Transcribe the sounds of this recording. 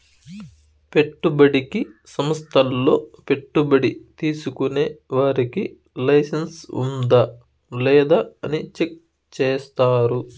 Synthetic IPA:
pe̞ʈːubɐɽikisɐmɐst̪ʰɐlːo̞ːpe̞ʈːubɐɽit̪iːsukuneːʋaːɾiki | lɐjsɐnsṵnd̪ɐ | lɛːd̪aːɐnit͡ʃe̞k̚ | t͡ʃeːst̪aːɾu

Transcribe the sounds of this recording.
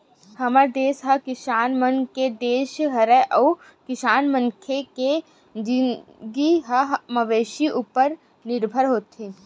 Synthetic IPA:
hɐmaɾd̪eːsɦɐkɪʃaːnmənked̪eːʃɦɐɾəʔɔː | kɪʃaːnmə̃ŋkʰeke | d͡ʒɪɡiɦɐɦmɐʋeːʃiʔupəɾ | nɪɾbʱəɾɦoːt̪ɦeː

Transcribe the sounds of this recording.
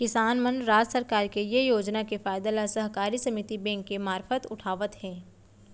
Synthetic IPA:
kɪsaːnmənɾaːd͡ʒsəɾkaːɾkejejoːd͡ʒnakefaːɪd̪alasɐɦkaːɾisɐmɪt̪ibɛ̃ŋkːemaːɾfət̪ʊʈʰaːʋət̪ɦɛ̃ː

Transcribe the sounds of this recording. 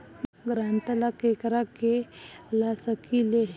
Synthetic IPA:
ɡɾant̪əlakekɾake | lasəkile

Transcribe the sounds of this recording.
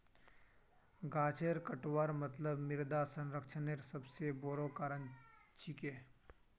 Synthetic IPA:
ɡaːt͡ʃeɾkəʈwaɾmət̪ləbmɪɾd̪asə̃nɾəkʃʰəneɾsəbseboɾokaːɾənt͡ʃikeː

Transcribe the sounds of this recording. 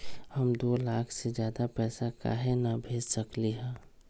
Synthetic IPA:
hɐmd̪oːlaːkʰsed͡ʒjaːd̪apɛːsaka̰ɦenabʱeːd͡ʒsɐkliɦɛ̃ː

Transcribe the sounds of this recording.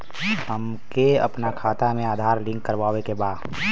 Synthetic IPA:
həm | keə̰pnakʰaːt̪amẽaːd̪ʱaːɾlɪ̃ŋkkːəɾʋaːwekebaːd̪

